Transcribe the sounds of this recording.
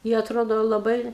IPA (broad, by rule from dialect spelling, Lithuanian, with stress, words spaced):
ɪ ɐtˈroːdoː lˠɐˈbɐɪ